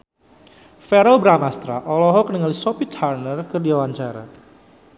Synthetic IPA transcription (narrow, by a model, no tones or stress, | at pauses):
fɛɾɔbɾamast̪ɾa̰ʔɔlɔɦɔkənəŋalisɔpit̪harnərkərdiawaɲt͡ʃaɾa̰